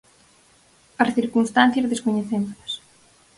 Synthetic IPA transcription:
ɐsθiɾkunst̪an̟θjɐzðeskoɲeθemolɐs

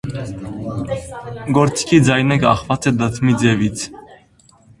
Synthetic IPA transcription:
ɡɔɾt͡si̥kʰid͡zɑjnɛkɑχvɑt͡sɛd̪ət̪ʰmid͡zɛvit͡sʰ

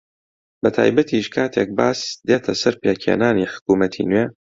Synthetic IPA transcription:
bɐt̪ʰa̰ːjbɐt̪ʰiːʃkʰaːt̪ʰek̚baːsd̪eːt̪ʰɐsɐɾpʰeːkʰḛnaːniːħʊ̥kuːmɐt̪ʰḭnweː

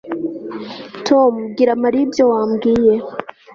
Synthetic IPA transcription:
tʰomɡiɾamaɾibjowaːmɡiːje

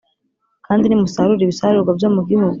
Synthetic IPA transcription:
kʰaːndinimusaɾuɾiβisaaɾuɾɡwabjo̞ːmuɡiɦuɡu

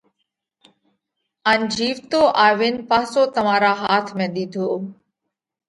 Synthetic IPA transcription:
ənd͡ʒiːʋt̪oːʔaːʋɪnpaːsoːt̪əm̤ãːɾaːɦaːt̪ʰmẽːɗ̪id̪ʱoː

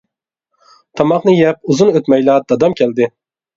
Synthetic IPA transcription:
t̪ʰɑmɑqnɨjɛp̚uzunøt̪mɛjlɑːd̪ɑd̪ɑmkʲʰɛld̪ɪ

